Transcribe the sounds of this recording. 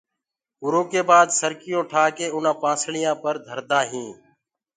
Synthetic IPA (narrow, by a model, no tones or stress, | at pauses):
ʊɾõːkeːbaːd̪səɾkɪjõːʈʰaːkeːʊnãːpãːsɳɪjãːpəɾd̪ʱəɾd̪aːɦĩː